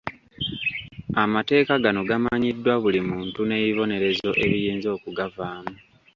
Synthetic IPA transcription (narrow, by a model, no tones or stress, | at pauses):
amate̞ːkaɡano̞ɡamaɲidːwaβulimuːntune̞iβo̞ne̞ɾe̞zo̞ʔe̞βijiːnzo̞ːkuɡavaːma